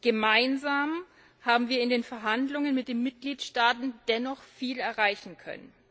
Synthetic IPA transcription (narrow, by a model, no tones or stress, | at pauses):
ɡ̥əmaɪnzaːm | haːbm̩viːɐɪndeːnfɛɐɦandlʊŋənmɪt̚d̥eːnmɪt̚ɡ̥liːtʃtaːtn̩d̥ɛnɔχfiːlɛɐʁaɪçn̩kʰœ̰nə̰n